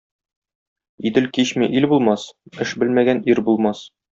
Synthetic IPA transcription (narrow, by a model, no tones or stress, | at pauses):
id̪ɘlkiɕmiʔilbulˠmɑsɘʃbɘ̆lmæɡæniɾbulˠmɑs